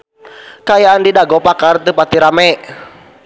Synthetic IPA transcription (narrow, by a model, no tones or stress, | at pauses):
kaːjaandidaɡɔpakart̪ɨpat̪iɾamɛʔ